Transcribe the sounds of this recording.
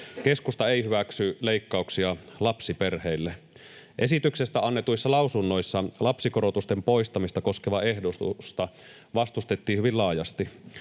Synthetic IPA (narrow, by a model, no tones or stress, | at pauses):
keskust̪ɑeihyʋæksyleikːɑuksiɑlɑpsiperheilːe | ʔesit̪yksest̪æɑnːet̪uisːɑlɑusunːo̞isːɑlɑpsikoɾot̪ust̪empo̞ist̪ɑmist̪ɑko̞skeʋɑehdot̪ṵst̪ɑ | ʋɑst̪ust̪et̪ːiːhyʋillɑːjɑst̪i